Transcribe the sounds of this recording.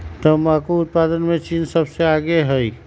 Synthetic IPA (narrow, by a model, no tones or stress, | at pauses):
t̪əmãkuʊt̪̚pad̪ənmet͡ʃinsəbseaɡeɦəj